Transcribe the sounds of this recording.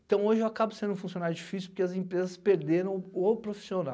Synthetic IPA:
ẽt̪ɐ̃w̃oʒewakabʊsẽnd̪ʊfũsionawd͡ʒifisupʊɾkeɐzẽpɾezɐspeɾd̪eɾɐ̃w̃opɾofi̥siona̰w

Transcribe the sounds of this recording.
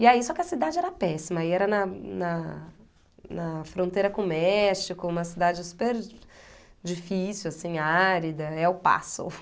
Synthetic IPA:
ɪaisɔkɪɐsid̪ad͡ʒɪɛɾɐpɛsimɐiɛɾɐnɐnɐ | nɐfɾõnt̪ejɾɐkõmɛʃikʊũmɐsid̪ad͡ʒɪsu̥peɾ | d͡ʒifisiwasĩaɾid̪ɐɛʊpa̰so̰

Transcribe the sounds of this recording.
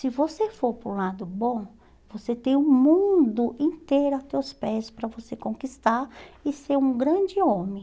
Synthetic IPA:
sɪvosefoɾpoɾũlad̪ʊbõ | voset̪ẽj̃ũmũd̪ʊʔĩnt̪ejɾʊɐt̪ewspɛspɾɐvosekõkist̪aɾɪseɾũɡɾɐ̃d͡ʒɪõmẽ

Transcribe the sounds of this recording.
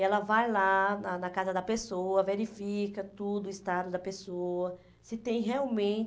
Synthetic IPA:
ɛlɐvajlanɐnɐkazɐd̪ɐpesoɐveɾifikɐt̪ud̪ʊist̪ad̪ʊd̪ɐpesoɐ | sɪt̪ẽj̃ɦeawmẽnt͡ʃ

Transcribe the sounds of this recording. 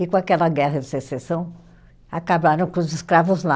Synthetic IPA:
ɪkõakɛlɐɡɛɦɐd͡ʒɪsesesɐ̃w̃ | akabaɾɐ̃w̃kõʊzɪskɾavʊzla

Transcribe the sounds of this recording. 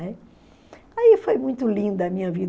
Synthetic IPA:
ɛ | aifojmũj̃t̪ʊlĩnd̪ɐɐmĩɲɐvid̪

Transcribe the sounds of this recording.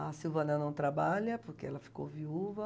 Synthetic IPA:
ɐsiwvɐnɐ̃nɐ̃w̃t̪ɾabaʎɐpoɾkeɛlɐfi̥ko̰wviuvɐ

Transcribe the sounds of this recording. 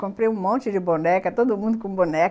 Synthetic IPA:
kõmpɾeũmõnt͡ʃɪd͡ʒɪbõnɛkɐt̪od̪ʊmũnd̪ʊkõbonɛ

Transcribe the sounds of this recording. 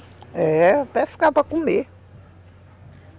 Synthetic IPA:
ɛt̪ɛfi̥kapɾɐkome

